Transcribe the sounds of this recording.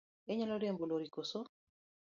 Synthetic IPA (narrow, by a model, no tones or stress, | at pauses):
eɲɔlɔlemboloɾikoso